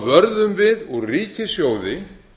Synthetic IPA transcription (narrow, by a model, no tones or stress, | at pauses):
vœɾðʏmvɪðɔɣriːcɪsjoːwðɪ